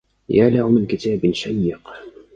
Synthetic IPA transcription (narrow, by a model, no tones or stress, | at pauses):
jaːlahʊmɪnkɪt̪aːbɪnʃajːɪq